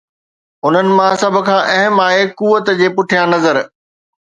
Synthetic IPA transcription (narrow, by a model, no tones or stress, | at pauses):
ʊn̤ənɪ̆mãsɐbʱʊ̆kʰãːʔɐɦɪmaːɦekuːʋət̪d͡ʑeːpʊʈʰijãnɐzəɾ